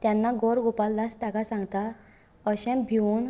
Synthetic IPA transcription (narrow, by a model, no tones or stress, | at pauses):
t̪janːaɡoɾɡopalːast̪akasãŋɡt̪a | əɕɛ̃mbʱiun